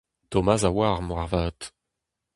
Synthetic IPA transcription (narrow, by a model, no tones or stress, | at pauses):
t̪ɔmazawaːʁmwaʁvaːt̪